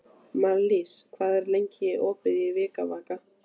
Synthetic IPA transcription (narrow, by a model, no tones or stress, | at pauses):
maliskʰvaːðɛɾlejɲcɪʔɔːkvɪðjɪvɪːkavaːka